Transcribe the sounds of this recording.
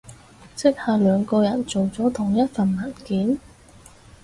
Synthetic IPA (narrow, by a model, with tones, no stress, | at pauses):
sɪ˥k̚haː˨lœː˨˧ŋkɔː˧jɐ˨˩nt͡so˨wt͡sɔː˨˥t̪ʰʊ˨˩ŋjɐ˥t̚fɐ˨nmɐ˨˩nkiː˨˥n